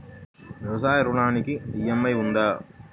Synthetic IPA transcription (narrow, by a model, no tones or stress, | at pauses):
ɾɔːsaːjɐɾuɳaːnikiijɐmːɐjund̪aː